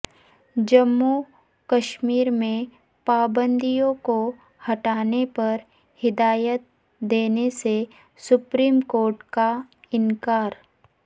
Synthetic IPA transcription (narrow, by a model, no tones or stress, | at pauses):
d͡ʒɐmːu | kɐʃmiːɾmẽ | paːbə̃nd̪ijõko | hɐʈaːnepɐɾ | hɪd̪aːjət̪̚ | d̪eːnese | sʊpɾiːmkoːɾʈkaɪnkaːɾ